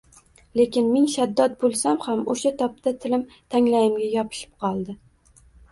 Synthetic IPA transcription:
le̞kʲɪnmenʃad̪ːɒt̪̚bolˠsamhamoʃat̪ʰɒp̚t̪ʰat̪ʰɪlɪm | t̪ʰaŋlajɪmɡʲajɒpʰɪ̥ʃɪ̥p̚qʰɒlˠd̪ɪ

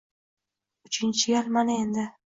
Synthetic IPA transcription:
ʊt͡ʃɪnt͡ʃʰɪjalmanaend̪ɪ

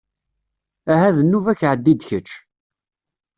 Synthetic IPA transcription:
æɦæðənːuvæçʕəd̪ːid̪çət͡ʃː

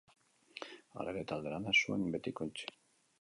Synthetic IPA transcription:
a̰ɾeɾet̪ald̪eɾanasuembe̞t̪ikont͡ʃi̥

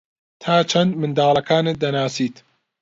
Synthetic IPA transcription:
t̪ʰaːt͡ʃʰɐnd̪mɨnd̪aːlˠɐkʰaːnɨd̪ɐnaːsiːt̪

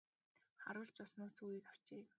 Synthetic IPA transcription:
χaɾʊːɮt͡ɕʊsnʊːsuɣiːkaw̥t͡ɕeː

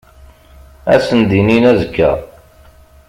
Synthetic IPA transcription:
æ̰sənd̪ininæzəkːæ̰

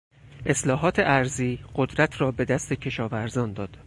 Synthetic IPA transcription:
ʔe̞slɒːɦɒːt̪ʰe̞ʔæɾziːɢ̥o̞d̪ɾæt̪ʰrɒːbe̞d̪æst̪e̞cʰe̞ʃɒːvæɾzɒːnd̪ɒːd̪̥

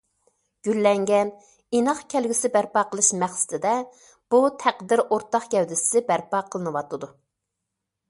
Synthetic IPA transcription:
ɡ̥ʲylːɛŋɡʲɛn | inɑχkʲʰælɡʲysɪbæɾpɑqəlˠɨʃmæχsɪ̥t̪ʰɪd̪ɛ | b̥ut̪ʰæqd̪ɪɾoɾt̪ɑχkʲɛwd̪ɪssɪbæɾpɑqʰəlˠɨnɨwɑt̪ɨd̪u

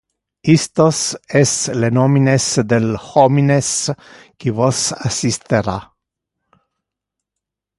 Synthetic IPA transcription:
ist̪osɛslenoːminesd̪elxomines | kivosasist̪eɾa

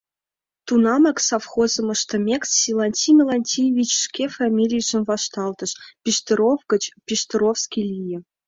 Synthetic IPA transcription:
t̪unɑmɑksɑfχozɤ̆mɤ̆ʃt̪ɤ̆mʲekssilˠɑnʲt̪ʲimʲelˠɑnʲtʲijvʲit͡ɕʂkʲefɑmʲilʲijʒɘ̆nvɑʃt̪ɑlˠt̪ɤ̆ʃpʲiʃt̪ɤ̆ɾofɡə̆t͡ɕpʲiʃt̪ɤ̆ɾofskʲilʲijɘ̆

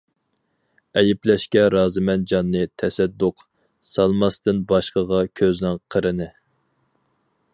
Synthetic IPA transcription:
ɛjɪplɛʃkʲɛɾɑːzɨmɛnd͡ʒɑnːɨt̪ʰɛsɛd̪ːʊq | sɑlˠmɑst̪ɨnbɑʃqəʁɑkʲʰøznɪŋqʰəɾɨnɪ

